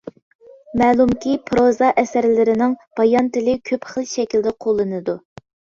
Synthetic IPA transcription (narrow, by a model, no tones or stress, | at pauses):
mɛːlˠumkʲipʰɾozɑʔɛsæɾlɪɾɪnɪŋb̥ɑjɑnt̪ɪlɪkʲʰøpχəlˠʃɛkʲild̪ɛqʰolˠːɨnɨd̪u